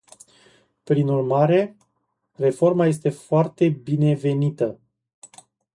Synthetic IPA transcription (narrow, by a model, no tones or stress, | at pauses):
pɾinurmaɾe̞ | re̞fo̞rmaje̞s̬t̪e̞foart̪e̞bine̞ve̞nit̪ə